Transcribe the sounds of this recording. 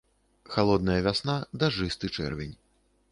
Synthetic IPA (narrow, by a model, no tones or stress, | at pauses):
xalˠɔd̪̚nɐjɐvʲasnad̪aʐɨst̪ɨt͡ʂɛ̰rvʲɛnʲ